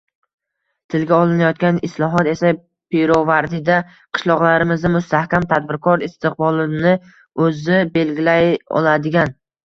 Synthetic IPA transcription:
t̪ʰɪlɡʲaɒlˠɪnajɒt̪̚kʲanɪslˠɒɦɒt̪e̞sa | pʰɪɾovaɾd̪ɪd̪a | qʰɨ̥ʃlˠɒʁlˠaɾɪmɪzamʊst̪ʰahkʲamt̪ʰad̪bɪɾkʰɒɾɪst̪ɪq̚bɒlˠɪnɪ | ɵzɪbe̞lɡʲɪlajɒ̰lˠad̪ɪɡʲan

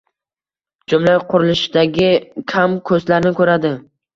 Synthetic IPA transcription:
d͡ʒʊmlajqʰʊɾɪlɪʃɪd̪aɡʲɪkʲʰamkʰɵzlaɾnɪkʰɵɾad̪ɪ

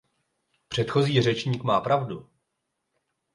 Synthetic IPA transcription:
pr̝̥ɛt̪xo̞ziːr̝ɛt͡ʃɲiːkmaːpɾavdu

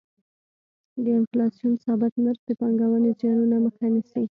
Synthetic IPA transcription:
d̪əɪnflɑsijunsɑbɪt̪maɾxd̪əpɑŋɡawənezjɑnunaməxanisi

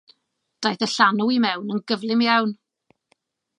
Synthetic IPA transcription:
d̥ajθəɬanuimɛwnənɡəvlˠɪmjawn

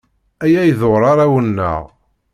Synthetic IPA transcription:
æjæjðoɾˤɑɾˤawənːə̰ʁ

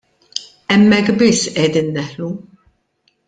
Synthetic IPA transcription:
ɛmːɛkːbɪsːʔɛd̪iːnːɛħlu

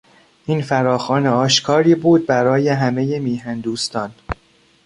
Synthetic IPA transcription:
ʔiːnfæɾɒːxɒːneɒːʃkʰɒːɾiːbuːd̪̚bæɾɒːje̞ɦæme̞je̞miːɦænd̪uːst̪ʰɒːn

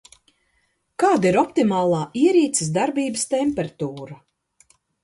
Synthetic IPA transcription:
kaːd̪iɾɔpt̪imaːlˠaːʔiɛɾiːt̪sɪs̬d̪aɾbiːbɨst̪ɛmpɛɾt̪uːɾa

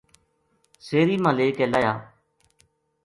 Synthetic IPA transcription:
seːɾiːmãːleːkɛːlaːjaː

